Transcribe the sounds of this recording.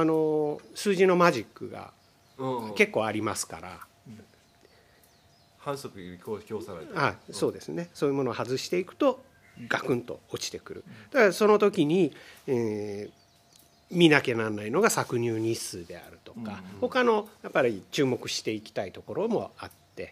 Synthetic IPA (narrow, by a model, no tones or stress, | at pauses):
ano̞sɨːʑino̞maʑikːɯ̟ɡa̰ | ke̞kːo̞ːaɾʲimasɨ̥ka̰ɾa̰ | hãɰ̃sokɯkʲoːahaiso̞ːd̪e̞sɨne̞so̞ːjiɯmo̞no̞hazɨɕi̥t̪e̞ikɯ̟̥t̪o̞ | ɡ̥akɯ̟̃nt̪o̞̰ot͡ɕi̥t̪e̞kɯ̟ɾɯ̟̰d̪̥aɡaso̞no̞t̪o̞kʲiɲ̟ie | mʲinake̞nãnːaino̞ɡasakɯ̟ɲ̟ʲɨːɲ̟isɨːd̪e̞a̰ɾɯ̟t̪o̞̥kaho̞kano̞japːaɾʲit͡ɕɨːmo̞kɯ̟ɕi̥t̪e̞ikʲi̥t̪ait̪o̞ko̞ɾo̞mo̞̰at̪ːe̞